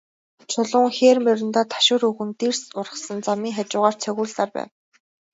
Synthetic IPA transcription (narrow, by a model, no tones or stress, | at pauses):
t͡ɕʰʊɮʊːŋxeːrmeɾɘ̆nt̪aːt̪ʰḁʃʊːɾuɣɘ̆nt̪irsʊrə̥̆sə̆nt͡samiːŋxat͡ɕʊːʁaːr̥t͡sʰœɣʲuːɮt̪aːrpæ̰ːw